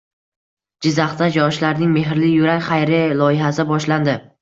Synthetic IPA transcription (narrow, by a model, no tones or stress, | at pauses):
d͡ʒɪzːaχt̪ad͡ʒɒʃlaɾnɪŋme̞ɦɪɾlɪjʊɾakʲχajɾɪlˠɒjɪɦasɪbɒʃland̪ɪ